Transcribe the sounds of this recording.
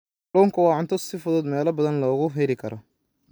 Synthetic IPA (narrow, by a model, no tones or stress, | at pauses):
ɖɔːŋkʰɐwɑːʕʊnt̪ʰɔsɪfʊðɔːd̪mɛːlɐbɐðɐnlɔːɣʊɦɛlɪkʰɐɾɔ